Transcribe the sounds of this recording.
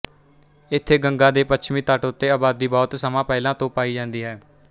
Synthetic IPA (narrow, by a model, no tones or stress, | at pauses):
ɪt̪ʰːeːɡəŋɡãːd̪eːpətːt͡ʃʰmĩːt̪aːʈʊt̪ːeːaːbaːd̪iːbɔːt̪səmãːpɛːlãːt̪õːpaːiːd͡ʒãːnd̪iːɦɛː